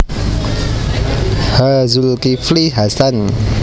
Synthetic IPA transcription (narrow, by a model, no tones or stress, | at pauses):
hazulkifliɦasan